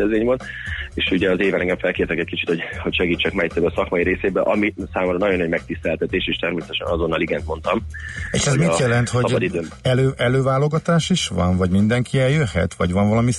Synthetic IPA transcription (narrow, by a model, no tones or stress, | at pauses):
ɛzeːɲvon | eːʃuɟɛɒzeːvɛlɛŋɡɛɱfɛlkeːrt̪ɛkɛc̚kit͡ʃit̪ho̞ɟho̞cʃɛɡiːt͡ʃːɛkmɛjit̪ːøbɛsɒkmɒjiɾeːseːbɛʔɒmisaːmoɾɔnɒɟonːɒɟmɛk̚t̪ist̪ɛlt̪ɛt̪eːʃeːʃt̪ɛrmeːsɛt̪ɛʃɛ̰nɒzo̞nːɒliɡɛnt̪mo̞nt̪ɒmḛːʃɛzmitjɛlɛnt̪ho̞ɟɒbɒd̪id̪øɛløːʔɛløːvaːlo̞ɡɒt̪aːʃiʃʋɒ̰nvɒɟmind̪ɛŋkʰiɛljøɦːɛ̰t̪ʋɒɟʋɒɱvɒlɒmi